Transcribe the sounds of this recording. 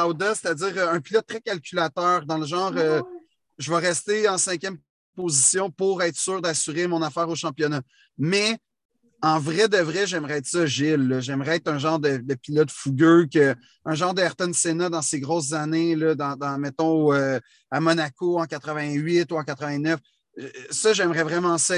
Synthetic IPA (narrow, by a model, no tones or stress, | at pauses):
awd̪ase̥t̪ad͡zziːʁœ̃pilɔt̪̚ːχɛkʲalkʲylat̪œːʁd̪ɑ̃ləʒɑ̃ːʁø | ʒəvaʁɛst̪eɑ̃sɛ̃kʲjɛm | pozisjɔ̃puʁɛt̪χsyːʁd̪asyʁemɔ̃nafæːʁoʃɑ̃pjɔna | mɛ | ɑ̃vʁɛd̪əvʁɛʒɛmʁɛɛːt̪χsɔʒɪlːɔʒɛmʁɛɛːt̪χɛ̃ʒɑ̃ːʁd̪əd̪əpilɔt̪fuɡʲøkə | œ̃ʒɑ̃ːʁd̪əɛʁt̪ɛnsenad̪ɑ̃seɡʁɔʊs̬zanelʌd̪ɑ̃d̪ɑ̃mɛt̪ɔ̃ø | amɔnakoɑ̃kat̪χəvɛ̃ɥɪt̪uɑ̃kat̪χəvɛ̃nœf | sʌʒɛmʁɛvʁɛmɑ̃sʌ